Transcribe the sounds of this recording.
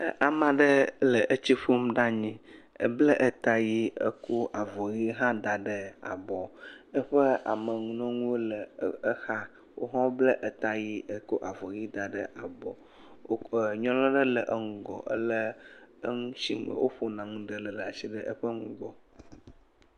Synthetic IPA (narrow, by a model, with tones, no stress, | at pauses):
ʔa˨mã˨ɖə˦lə˨ʔə˦t͡ɕi˦ɸo˦mɖa˦ɲĩ˨ | ə̰˦blə˦ʔə˨t̪a˦ji˦ə̰˦ko˦ʔa˨vɔ˨ji˦ɦã˦d̪a˨ɖə˦a̰˨bɔ˨ə˦ɸə˦a̰˨mə˨ŋũ˦nɔ̃˦ŋũ˦wo˦lə˨ə˦xa˦ | wʔo̰˦ɦã˦wo˦blə˦ʔə˨t̪a˨ji˦ə˨ko˦ʔa˨vɔ˨ji˦d̪a˨ɖə˦ʔa˨bɔ˨˦˨ | ɲɔ̃˦lɔ̃˦ɖə˦lə˨ʔə˦ŋũ˦ɡɔ̰˨ʔə̰˦lə˦ə˦ŋũ˦sḭ˦˨˦wo˦ɸo˨nã˨ŋũ˦ɖə˨lə˨lə˨a˨si˦ɖə˦ʔə˦ɸə˦ŋũ˦ɡɔ˨